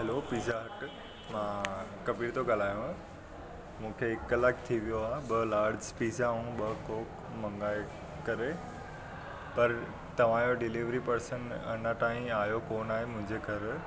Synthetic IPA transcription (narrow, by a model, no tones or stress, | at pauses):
ɦɛlopiːzaɦɐʈ | mãːkɐbiːɾt̪ʰoɡɐlaːjũã | mũːkʰeɪkləkʰt̪ʰiʋijoaːɦɓɐlaːɾd͡ʑpiːzaːũɓɐkoːk | mɐ̃ŋɡaːe | kɐɾe | pɐɾ | t̪ɐʋ̤ãːjoɖɪliːʋɾipɐɾsənɐ̰naʈaːĩaːjokoːnaːɦemʊ̃ɦɪ̃ɲd͡ʑeɡʱɐɾ